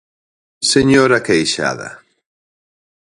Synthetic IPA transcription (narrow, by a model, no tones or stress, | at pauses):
seɲoɾakejʃa̰ðɐ̰